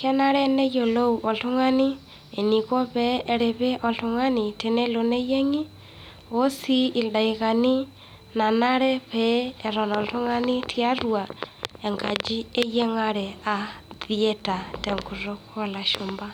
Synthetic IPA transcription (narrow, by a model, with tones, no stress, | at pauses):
kɛ˦na˦ɾɛ˦nɛ˦jo˨lo˦u˨ʔɔ˨ɬu˦ŋa˦ni˦ | e˨ni˨kɔ˦βɛː˦˨ɾe˨βe˦ʔɔ˨ɬu˦ŋa˦ni˨te˨nɛ˦lo˨ne˦je˦ŋi˦ | o˦si˦i˨da˨i˨ɣa˨ni˦ | na˨na˦ɾɛ˦βɛː˨˦˨ɾɔ˨nɔ˨tu˦ŋa˦ni˦tʰja˦rwa˨e˨ŋɡa˨d͡ʒi˦e˦jɛ˦ŋa˦ɾɛ˨a˨ði˦ɛ˦ta˨tɛ˨ŋɡu˨ɾo˦ko˦la˨ʃo˨mba˦